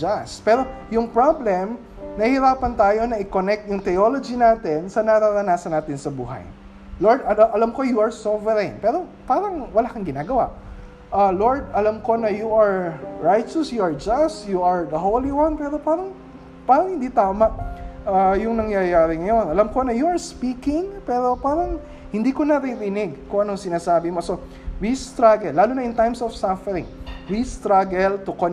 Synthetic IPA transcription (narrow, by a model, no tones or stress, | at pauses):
d͡ʒaspɛːɾo̞ | jʊŋpɹablɛm | nɐhɪɾaːpɐnt̪aːjo̞nɐʔɪkonɛk̚t̪̚jʊŋt̪ɛolod͡ʒinaːt̪ɛnsɐnɐɾaɾɐnaːsɐnaːt̪ɪnsɐbṵːɦɐ̰j | loɹd̪ɐʔɐlamko̞juʔɐɹsovɛɾɪŋpɛːɾo̞paːɾɐŋwɐlaːkɐŋɡɪnaːɡɐwa̰ʔ | ʔaloɹd̪̚ʔɐlamko̞nɐjuʔɐɹɹajt͡ʃɐsjuʔɐɹd͡ʒast̪juɐɹd̪ɐɦowliwɐnd̪pɛːɾo̞paːɾɐŋ | paːɾɐŋhɪnd̪iːt̪aːmaʔʔajʊŋnɐŋjajaːɾɪŋɐjo̞nʔɐlamko̞nɐjuɐɹspiːkɪŋpɛːɾo̞paːɾɐŋ | hɪnd̪iːkonɐɾɪɾɪnɪɡkʊŋʔɐnosɪnaːsaːbɪmo̞so̞ | wist̪ɾaɡɛllːaːlunɐʔɪnt̪ajmsofsafɛɾɪŋwist̪ɾaɡɛlt̪ʊko